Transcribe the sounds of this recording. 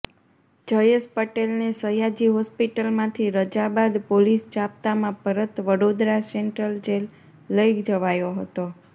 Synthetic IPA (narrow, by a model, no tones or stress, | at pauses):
d͡ʒəjespəʈelnesəjad͡ʒiɦɔspiʈəlmãt̪ʰiɾəd͡ʒabad̪polisd͡ʒap̚t̪amãpəɾət̪ʋəɽod̪ɾaseɳʈɾəld͡ʒelː | əjɡd͡ʒəʋajoɦət̪o